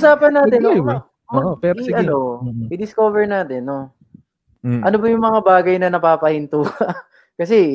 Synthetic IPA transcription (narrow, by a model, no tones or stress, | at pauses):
usaːpɐnːaːt̪ɛno | ʔoɛɾʔɐno̞ʔɪd̪ɪskovɛɹnaːt̪ɛno | ʔɐnobɐjʊŋmɐŋabaːɡɐjnɐnɐpaːpɐhɪnt̪uːhɐ | kɐsɛ